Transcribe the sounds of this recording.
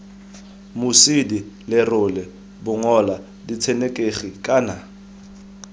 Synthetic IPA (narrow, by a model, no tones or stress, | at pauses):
mʊsidi | lɛrʊlɛ | bʊŋɔla | dit͡sʰɛnekʼeχikʼaːna